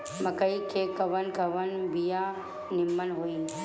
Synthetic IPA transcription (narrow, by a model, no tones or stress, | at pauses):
mɐkəɽikʰekɐʋənkɐʋənbijã | nɪmːənɦoiː